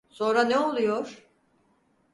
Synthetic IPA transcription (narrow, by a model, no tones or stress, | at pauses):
so̞nɾanɛo̞lˠujoɾ̥